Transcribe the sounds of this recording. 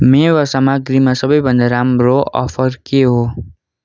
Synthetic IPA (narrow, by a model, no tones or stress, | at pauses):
mewʌsamaɡɾimasʌbʌjbʱʌnd̪aɾamɾoʔʌ̰pʰʌɾkeɦo